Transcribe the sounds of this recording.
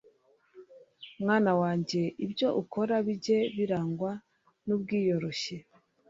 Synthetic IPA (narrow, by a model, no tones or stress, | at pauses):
mŋaːnawaːɲɟe̞ʔibjo̞ʔukʰo̞ɾaβiɟe̞βiɾaːŋɡwa | nub̚ɡiːjo̞ɾo̞ɕe̞